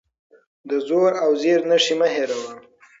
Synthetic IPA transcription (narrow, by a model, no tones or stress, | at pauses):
d̪əzoɾawzeɾnaʂimaɦeɾawa